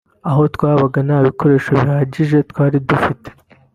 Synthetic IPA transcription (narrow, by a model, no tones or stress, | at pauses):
aɦo̞twaːβaɡanaːβiko̞ɾe̞ːʃo̞βihaːɟiʒe̞tkwaːɾidufite̥